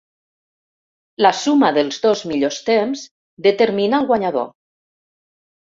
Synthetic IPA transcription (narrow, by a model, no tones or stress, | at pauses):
lasumaðəlˠzðozmiʎost̪emz | d̪ət̪əɾminaːlˠɣwaɲaðo̰